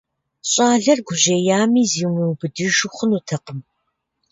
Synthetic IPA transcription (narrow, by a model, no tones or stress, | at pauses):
ɕʼɑːɮɐrɡʷʊʑɐjaːmiːziːwmɨwbɨdɨʒʊχʷʊnutʰɐqəm